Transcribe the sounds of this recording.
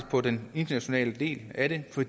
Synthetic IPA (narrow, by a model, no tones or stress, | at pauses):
pʰɒ̽dene̝nd̥ɐnæɕo̝nɛ̰ːləd̥e̝̰ːlæɾ̥e̝fɒ̽d